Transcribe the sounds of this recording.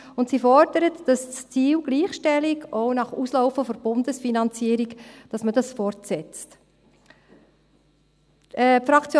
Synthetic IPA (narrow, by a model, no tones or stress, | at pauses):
ʊntsifɔɾd̥əɾətd̥ɑsst͡siːwɡ̥liːχʃtɛlɪɡɔʊnɑχuslɔʊfəfɔɾb̥ʊndəsfinɑnt͡siəɾikd̥ɑsməd̥ɑsfɔɾtsɛt͡st | ɛpfɾɑkt͡sj